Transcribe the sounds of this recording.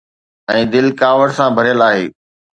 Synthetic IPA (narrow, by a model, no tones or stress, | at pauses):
ɛ̃ːd̪ɪlkaːʋəɽsãbʱɐɾjəlaːɦḛː